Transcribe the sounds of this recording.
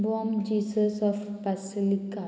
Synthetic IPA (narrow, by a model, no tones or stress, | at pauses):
bɔmd͡ʒiːsəsɔfpasilika